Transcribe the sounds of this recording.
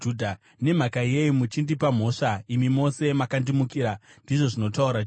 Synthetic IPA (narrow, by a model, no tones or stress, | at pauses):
udʱa | ne̞m̤akaieimut͡ʃindipam̤o̞ːʂaimimo̞se̞makandimukiɾandiʐo̞ʐino̞tauɾa